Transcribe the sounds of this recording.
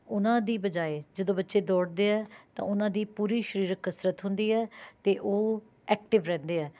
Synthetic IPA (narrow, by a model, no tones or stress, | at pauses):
ʊnãːd̪iːbəd͡ʒaːed͡ʒəd̪õːbətːʃeːd̪ɔːɽd̪eːɛːt̪ã̰ːʊnãːd̪iːpuːɾiːʃəɾiːɾəkəsɾət̪ɦʊ̃nd̪iːɛːt̪eːʔoː | ɛːkʈɪʋɾɛ̃ːnd̪eːɛː